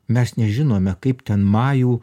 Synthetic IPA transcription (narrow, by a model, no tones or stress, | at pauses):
mʲɛsnʲɛʒʲɪnoːmʲɛkɐɪpt̪ʲɛnmɑːjuː